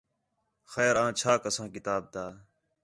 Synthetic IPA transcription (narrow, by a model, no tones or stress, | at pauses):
xɛːɾãːt͡ʃʰaːkəsãːkɪt̪aːb̚d̪aː